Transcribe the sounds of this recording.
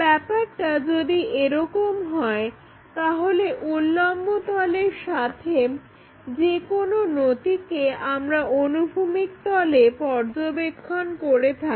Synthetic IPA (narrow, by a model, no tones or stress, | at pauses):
bɛpaɾʈad͡ʑod̪iʔeɾɔkomɦɔe | t̪aɦoleʔulːambot̪ɔleɾʃat̪ʰe | d͡ʑekononot̪ikeamɾaonubʱumikt̪ɔlepɔɾd͡ʑobekʰːonkoɾet̪ʰaki